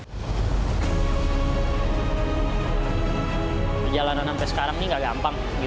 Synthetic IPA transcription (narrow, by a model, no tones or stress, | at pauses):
pəd͡ʒalananampɛsə̥kaɾaŋniŋɡaɡampaŋ | ɡi